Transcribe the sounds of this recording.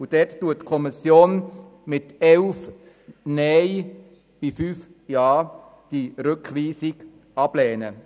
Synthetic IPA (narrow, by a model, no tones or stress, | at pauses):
ud̥ɛttuətːkʰɔmisjoːn | mɪtɛlf | nɛɪ | b̥ifyːf | jɑː | d̥iɾʏkʰliːsɪɡ̥ | ɑb̥lɛːnə